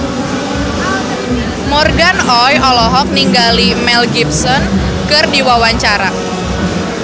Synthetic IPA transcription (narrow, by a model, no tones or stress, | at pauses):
mɔrɡanɔjɔlɔɦɔk̚niŋɡalimɛlɡipsɔn | kɨrdiwawaɲt͡ʃaɾa